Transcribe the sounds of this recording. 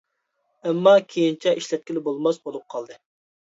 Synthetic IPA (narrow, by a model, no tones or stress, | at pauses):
ɛmːɑkʲʰejint͡ʃʰɛʔiʃlɛt̪̚kʲilɪbolˠmɑsbolˠup̚qʰɑlˠd̪ɨ